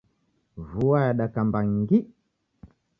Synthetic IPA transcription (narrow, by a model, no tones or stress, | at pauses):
vuajaɗakambaŋɡi